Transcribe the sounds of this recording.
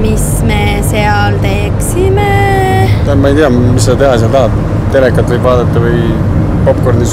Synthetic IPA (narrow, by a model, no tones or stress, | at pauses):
mis | me | seɑlt̪e̞ksime | mɑejt̪iɑmiset̪e̞ɦɑseɑlt̪ɑɦɑd̪ | t̪ːe̞lekːˑɑt̪ːˑvɯjbvɑːd̪et̪ːˑɑvɯj | kopːˑkord̪nis